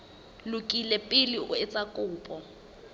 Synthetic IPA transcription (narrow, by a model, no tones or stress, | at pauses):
lʊkʼilɛpʼɪlɪʊ̰ɛt͡sʼakʼʊːpʼɔ